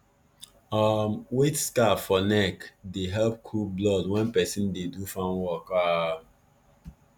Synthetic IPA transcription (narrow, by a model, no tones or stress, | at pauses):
amwetskafɔnɛkdeɦɛlp̚kʰublɔdwɛ̃npɛsĩndedufãnwɔka